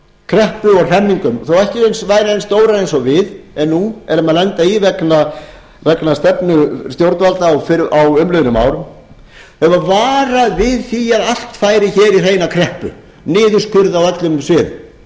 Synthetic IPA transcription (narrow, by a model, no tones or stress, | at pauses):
kʰɾɛhpʏɔɣr̥ɛnːiŋkʏmθowɛhcɪejnsvaːjɾaejnst̪oːwɾaejnsɔvɪðɛnːuɛɾʏmaðlɛnt̪aivɛkna | vɛknast̪ɛpnʏst̪jowɾt̪valt̪aːwfɪawʏmlœðnʏma̰ːwɾʏm | hɛvavaːɾaðvɪðθiaðal̥t̪faːjɾɪçɛːɾir̥ejnakʰɾɛhpʏ̰ | nɪːðʏskʰʏɾðawat̪lʏmsvɪð